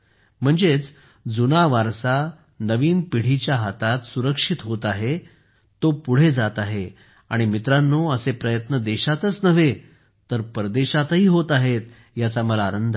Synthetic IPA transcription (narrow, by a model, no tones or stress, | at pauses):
m̤əɳd͡zet͡s | d͡zunaʋaɾsa | nəʋiːnpiɽ̤it͡ɕjaɦat̪at̪suɾəkʂit̪ɦot̪aɦe | t̪opuɽ̤ed͡zat̪aɦe | a̰ɽ̃imit̪ɾãnːoəsepɾəjət̪nəd̪eɕat̪ət͡snəʋe | t̪əɾpəɾd̪eɕat̪ɦiːɦot̪aɦet̪̚ | jat͡saməlaːnənd̪ʱə